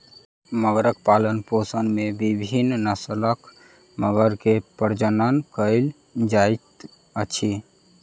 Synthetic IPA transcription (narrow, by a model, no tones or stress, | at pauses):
məɡɾək̚palənposənmebibʱinnəsələk | məɡəɾkepəɾd͡ʒənənkəɪl | d͡ʒajt̪ | ət͡ʃʰi